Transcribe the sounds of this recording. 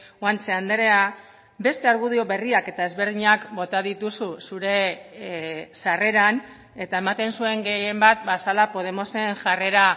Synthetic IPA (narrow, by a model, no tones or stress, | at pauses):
want͡se̞and̪eɾe̞a | be̞st̪e̞aɾɣuð̞io̞βe̞riake̞t̪ae̞zβe̞ɾðiɲakbo̞t̪aðit̪ususuɾe̞ | sare̞ɾan | e̞t̪ae̞mat̪e̞nsue̞ŋɡe̞je̞mbat̪basalapo̞ð̞e̞mo̞se̞ŋʝare̞ɾa